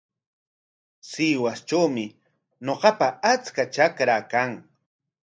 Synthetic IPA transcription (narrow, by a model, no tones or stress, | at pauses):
siːwast͡ʃawmɪ | ɲoɢɑpaat͡skat͡ʃakɾakaŋ